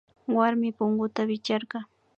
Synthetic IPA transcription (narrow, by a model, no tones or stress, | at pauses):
waɾmɪpʊŋɢʊt̪awɪt͡ʃaɾɢɑ